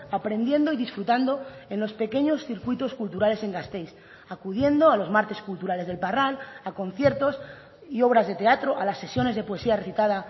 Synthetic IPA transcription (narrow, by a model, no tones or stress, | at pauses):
apɾẽ̞nd̪je̞nd̪o̞ið̞isfɾut̪and̪o̞e̞nlo̞spe̞ke̞ɲo̞sθiɾkwit̪o̞skult̪uɾale̞se̞ŋɡast̪e̞js | akuð̞je̞nd̪o̞alo̞zmaɾt̪e̞skult̪uɾale̞zðe̞lparalako̞nθje̞ɾt̪o̞s | io̞βɾazðe̞t̪e̞at̪ɾo̞ʔalasːe̞sjo̞ne̞zð̞e̞poe̞siare̞θit̪að̞a